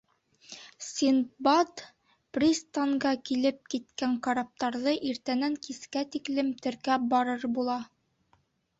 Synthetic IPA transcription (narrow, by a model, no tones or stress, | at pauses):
sʲinbad̪ | prʲist̪aŋɢɑkilɘp̚kit̪kæŋkaɾap̚t̪ɑɾðɤʔiɾt̪ænæŋkiskæt̪iklɘmt̪ɘ̆ɾkæbɒɾɤɾbulˠɑ